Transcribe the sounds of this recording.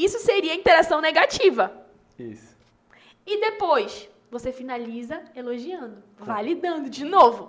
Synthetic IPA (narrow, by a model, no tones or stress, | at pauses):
isʊseɾiɐĩt̪eɾasɐ̃w̃neɡat͡ʃivɐ | ḭsʊ̥ | ɪd̪epojs | vosefinalizɐeloʒiɐ̃nd̪ʊvajlid̪ɐ̃nd̪ʊd͡ʒɪnovʊ